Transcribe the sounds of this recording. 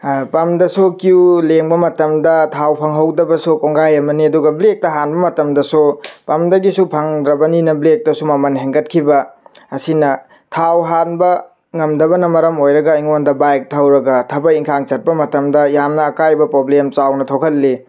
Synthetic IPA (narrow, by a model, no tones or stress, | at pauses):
pɐmdɐsukiuleŋbɐmɐtɐmdɐtʰawpʰɐŋɦɐwdɐbɐsukoŋɡajɐmɐniɐduɡɐblek̚tɐɦanbɐmɐtɐmdɐsupɐmdɐɡisupʰɐŋdɾɐbɐninɐblek̚tɐsumɐmɐnɦeŋɡɐt̚kʰibɐ | ɐsinɐ | tʰawɦanbɐ | ŋɐmdɐbɐnɐmɐɾɐmojɾɐɡɐiŋondɐbajk̚tʰɐwɾɐɡɐtʰɐbɐiŋkʰaŋt͡ʃɐt̚pɐmɐtɐmdɐjamnɐːkajbɐpɾoblemt͡ʃawnɐtʰokʰɐlːi